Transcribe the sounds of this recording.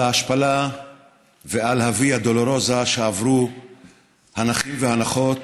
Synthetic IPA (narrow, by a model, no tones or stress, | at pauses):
aaʃpala | vealhaviad̪oloɾozaʃeavɾu | hanaχimvehanaχo̞t̪